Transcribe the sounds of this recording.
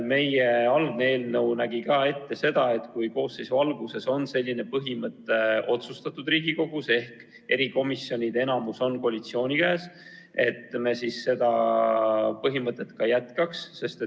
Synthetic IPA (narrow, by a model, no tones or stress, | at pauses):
me̞je̞ɑlɡ̚nee̞ːlnɤwnæɡ̥ikɑːe̞t̪ːe̞se̞d̪̥ɑe̞t̪kujko̞ːsːisuɑlɡuse̞so̞nse̞lʲːine̞pɤɦimɤt̪ːˑe̞o̞t̪sust̪ɑt̪ːˑud̪riːɡ̥iko̞ɡ̥use̞hk | e̞ɾiko̞misːjo̞nʲid̪̥e̞nɑmuso̞nkoɑlʲit̪sio̞ːnʲikæːs | e̞t̪ːme̞sisːe̞d̪̥ɑ | pɤɦimɤt̪ːˑet̪kɑjæt̪kɑksːe̞st̪e